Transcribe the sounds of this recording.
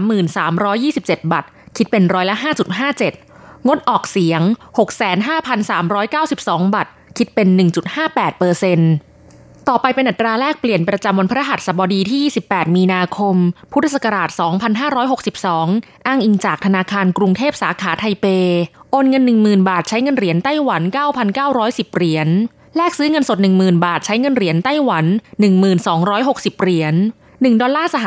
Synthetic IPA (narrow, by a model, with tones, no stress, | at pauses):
mːɯː˨˩nsaː˩˦mɾɔː˦˥jːiː˥˩si˨˩p̚t͡ɕe˨˩t̪̚ba˨˩t̪̚kʰi˦˥pe˧nɾɔː˦˥jla˦˥ɦaː˥˩t͡ɕu˨˩t̪̚ɦaː˥˩t͡ɕe˨˩t̪̚ŋo˦˥t̪̚ʔɔː˨˩k̚si˩˦əŋho˨˩k̚sɛː˩˦nɦaː˥˩pʰa˧nsaː˩˦mɾɔː˦˥jkaː˥˩wsi˨˩p̚sɔː˩˦ŋba˨˩t̪̚kʰi˦˥t̪̚pe˧nːɯ˨˩ŋt͡ɕu˨˩t̪̚haː˥˩pɛː˨˩t̪̚pɤː˧se˧n | t̪ɔː˨˩pa˧jpe˧nʔa˨˩t̪ɾaː˧ɾɛː˥˩k̚pli˨˩ənpɾa˧t͡ɕa˧mwo˧npʰːɾa˦˥˩ɦa˨˩t̪̚sa˨˩bɔː˧diː˧t̪ʰiː˥˩jiː˥˩i˨˩pːɛː˨˩t̪̚miː˧naː˧kʰo˧mpʰu˦˥t̪ʰsa˧˩ka˧ɾaː˨˩t̪̚sɔː˩˦ŋpʰa˧nɦaː˥˩ɾɔː˦˥jɦo˨˩k̚si˨˩p̚sɔː˩˦ŋ | ʔaː˥˩ŋʔi˨˩ŋt͡ɕaː˨˩k̚t̪ʰa˧naː˧kʰaː˧nkɾu˧ŋt̪ʰeː˥˩p̚saː˩˦kʰaː˩˦t̪ʰa˧jpeː˧ʔoː˧nŋɤ˧nːɯ˨˩ŋmɯː˨˩nbaː˨˩t̪̚t͡ɕʰa˦˥jŋɤ˧nɾi˩˦nt̪a˥˩jwa˩˦nkaː˥˩wpʰa˧nkaː˥˩wɾɔː˦˥jsi˨˩p̚ɾi˨˩˦ən | lɛː˥˩k̚sɯː˦˥ŋɤ˧nso˨˩t̪̚nɯ˨˩ŋmɯː˨˩nbaː˨˩t̪̚t͡ɕʰa˦˥jŋɤ˧nɾi˨˩˦ənt̪a˥˩jwa˩˦nːɯ˨˩ŋmɯː˨˩nsɔː˩˦ŋɾɔː˦˥jɦo˨˩k̚si˨˩p̚ɾi˩˦ənː | ɯ˨˩ŋdɔː˧laː˥˩sa˧ɦ